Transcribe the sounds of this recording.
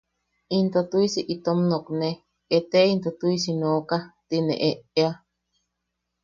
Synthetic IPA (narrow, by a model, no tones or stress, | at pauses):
int̪ot̪uisiʔit̪omnokne | et̪eint̪ot̪uisinokat̪inḛ̃ʔeʔea